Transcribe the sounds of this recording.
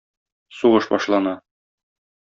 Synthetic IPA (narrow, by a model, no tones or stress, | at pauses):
suʁɤʃbɒʃlˠɑnɑ